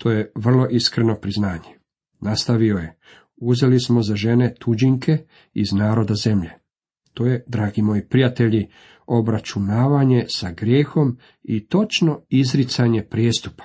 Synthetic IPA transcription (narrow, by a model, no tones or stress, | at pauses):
t̪ʰo̞ːjeʋr̩lˠo̞ʔiskɾeno̞pɾiznaːɲe | nast̪aʋioje̞ | uze̞lismo̞zaʒe̞ne̞t̪ud͡ʒiŋkʰe̞ | iznaːɾo̞d̪aze̞mʎe | t̪o̞ːje̞d̪ɾaːɡimo̞ːjipɾijat̪e̞ʎi | o̞bɾat͡ʃunaːʋaɲe̞saɡɾje̞ːxo̞m | it̪o̞t͡ʃno̞izɾit̪saɲe̞pɾjeːst̪upḁ